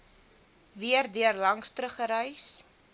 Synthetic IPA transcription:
viərdyərlɐŋstɾəχəɾəjs

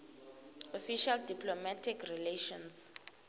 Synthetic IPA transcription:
ɔfiʃaldipʰlɔmatʰikʰrileʃɔ̃ns

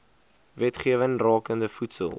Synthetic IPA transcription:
vɛtχiəvəŋrɑːkəndəfutsə̰lˠ

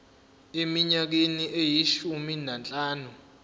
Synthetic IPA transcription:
emiɲak̬eniʔejiʃuminant͡ɬʼaːnu

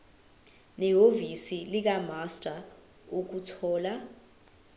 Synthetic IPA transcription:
nɛɦovisilik̬amastʼa | uk̬utʰɔːla

